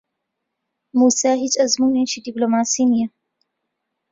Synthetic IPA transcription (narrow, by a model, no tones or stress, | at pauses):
muːsaːɦit͡ʃɐzmuːnẽʃiɖiplomaːsinijɐ